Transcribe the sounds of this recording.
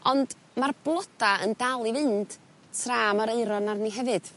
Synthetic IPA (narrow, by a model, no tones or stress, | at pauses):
ɔnd̥ | marblˠɔdaəndalˠivɨnd̥ | tʰraːmaɾeɨɾɔnarniɦɛvɨd̥